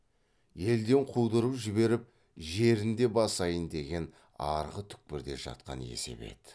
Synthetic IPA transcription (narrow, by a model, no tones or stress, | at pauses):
je̞ld̪e̞ɴqʰuwd̪əɾəpʒɪbe̞ɾɪp̚ | ʒe̞ɾɪnd̪e̞bɑsɑjənd̪e̞ɡʲe̞n | ɑ̰ɾʁət̪ʰʏ̥k̚pɪɾd̪e̞ʒɑ̰t̪̚qɑ̰ne̞̰se̞̰be̞̰t̪